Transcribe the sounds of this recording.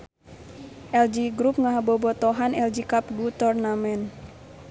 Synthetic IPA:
ʔɛld͡ʒiɡɾup̚ŋaɦabɔbɔt̪ɔɦanɛld͡ʒikap̚ɡut̪ɔrnamɛn

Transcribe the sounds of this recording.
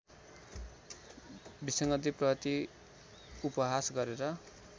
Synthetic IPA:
bisʌŋɡʌt̪iprʌt̪i | upʌɦasɡʌɾeɾʌ

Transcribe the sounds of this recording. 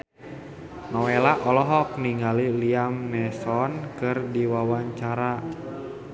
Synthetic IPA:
nɔwɛlaʔɔlɔɦɔk̚niŋɡaliliamnɛsɔnkɨrdiwawaɲt͡ʃaɾa

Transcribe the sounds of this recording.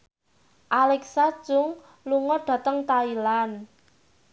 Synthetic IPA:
ʔalɛksḁʒ̥ʊŋ | luŋɔɖ̥ä̤t̪əŋt̪ailan

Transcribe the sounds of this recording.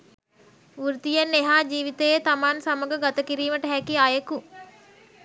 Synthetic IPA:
uɾt̪ijanːeɦaːd͡ʒiːʋit̪əjet̪amaːnsaməɡəɡat̪əkiɾiːməʈəɦækiajəku

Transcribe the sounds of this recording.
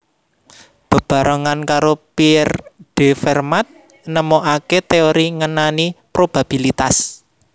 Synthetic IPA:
b̥ə̤b̥a̤ɾɔŋankaɾopirɖ̥e̤fɛrmat̪̚ | nəmoʔaket̪eoɾiŋənanipɾob̥a̤b̥i̤lit̪as

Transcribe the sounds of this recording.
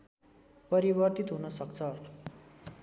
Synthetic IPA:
pʌɾibʌrt̪it̪ɦunʌsʌkt͡sʰʌ

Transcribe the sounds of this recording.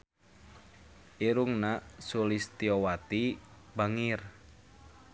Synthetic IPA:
ʔiɾuŋnasulist̪iowat̪ibaŋir

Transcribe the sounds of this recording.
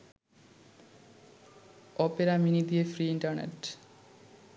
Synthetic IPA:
ɔpeɾaminid̪iefɾiːiɳʈɐɾnḛʈ

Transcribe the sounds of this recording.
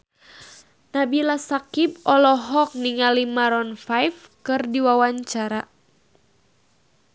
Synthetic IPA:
nabilasakipɔlɔɦɔk̚niŋalimaɾɔnfajfkɨrdiwawaɲt͡ʃaɾa

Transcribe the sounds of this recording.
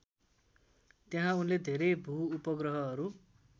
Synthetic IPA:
t̪jaɦãunled̪ʱeɾebʱuupʌɡrʌɦʌʌɾu

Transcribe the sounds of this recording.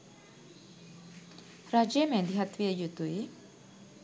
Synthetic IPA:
rad͡ʒemɛ̃nd̪iɦat̪wiajut̪ui

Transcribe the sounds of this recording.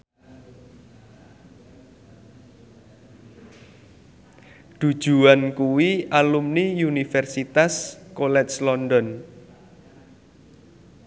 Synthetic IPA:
d̪̥ṳ̥ʒ̥ṳankuwiʔalumnijunifɛrsit̪askolɛt͡ʃlɔndɔn

